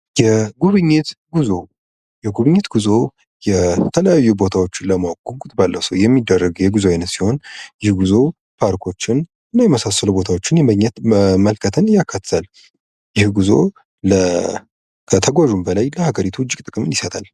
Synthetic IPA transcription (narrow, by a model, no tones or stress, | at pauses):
jɛɡuβɨɲːɪt̪ɡuzo̞ | jɛɡuβɨɲːɪt̪ɡuzo̞ | jɛt̪ʰələjajːubo̞t̪ʰawot͡ʃːɪnləmawɡoɡut̪balːəwsəwjɛmːid̪ːərːəɡwjɛɡuzoajnət̪siho̞njɪhɡuzo̞ | pʰaɾkʰo̞t͡ʃːɪn | ɨnːajɛməsasəlubo̞t̪ʰawot͡ʃːɪnjɛməɲːɛt̪məlkʰət̪ʰənɨjakʰːat̪ʰt̪al | jɪhɡuzo̞̰ | lə | kʰət̪ʰəɡʷaʒumbəlajləhaɡəɾit̪ʰuʊd͡ʒːɪkʼt̪ʼɨkʼɨmɨnjɪsət̪ʰal